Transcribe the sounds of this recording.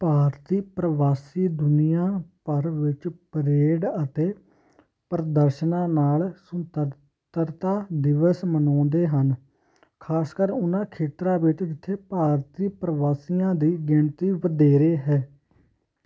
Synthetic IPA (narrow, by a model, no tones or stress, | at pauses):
paːɾt̪iːpɾəʋaːsiːd̪ʊnɪjãːpəɾʋɪt͡ʃpɾeːɖət̪eː | pəɾəd̪əɾʃnãːnaːlsʊnt̪ə | t̪əɾt̪aːd̪ɪʋəsmənɔ̃ːnd̪eːɦən | kʰaːskəɾʊnãːkʰeːt̪ɾãːʋɪt͡ʃd͡ʒɪt̪ʰːeːpaːɾt̪iːpɾəʋaːsijãːd̪iːɡɪɳt̪iːʋəd̪eːɾeːɦɛː